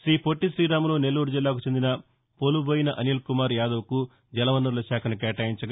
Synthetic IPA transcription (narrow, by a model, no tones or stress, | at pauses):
ʃɾiːpoʈːiʃɾiːɾaːmɐloːne̞lːuːɾud͡ʒilːaːkut͡ʃe̞nd̪inɐ | poluboːjinɐʔɐniːlkumaːɾjaːd̪ɐʋɐku | d͡ʒɛlɐʋɐnːɐɾlɐʃaːkʰɐnukɛːʈaːjiɲt͡ʃɐɡ